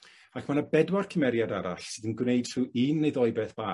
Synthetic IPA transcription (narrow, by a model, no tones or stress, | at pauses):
akʰmanəbɛdwarkʰəmɛɾjadaɾa̰ɬsɨːðənɡwneɨd̥ruːiːnːejðɔɨbɛθb̥aː